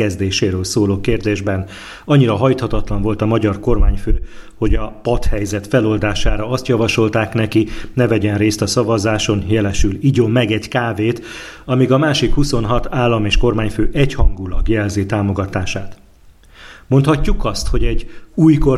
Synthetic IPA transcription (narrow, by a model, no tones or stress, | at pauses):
ɛzd̪eːʃeːɾøːlsoːloːkeːrd̪eːʒbɛn | ɒɲːiɾɒɦɒjt̪hɒt̪ɒt̪lɒɱvo̞lt̪ɒmɒɟɒrko̞rmaːɲføːho̞ɟɒpɒt̪hɛjzɛt̪fɛlo̞ld̪aːʃaːɾɒɒst̪jɒvɒʃo̞lt̪aːknɛkinɛvɛɟɛnreːst̪ɒsɒvɒzaːʃo̞njɛlɛʃyliɟomːɛɡɛɟkaːveːt̪ | ɒmiɡɒmaːʃikhuso̞nɦɒt̪aːlːɒmeːʃko̞rmaːɲføːʔɛchɒŋɡulɒɡjɛlzeːt̪aːmo̞ɡɒt̪aːʃaːt̪ | mo̞nt̪hɒcːukɒst̪ho̞ɟɛɟuːjko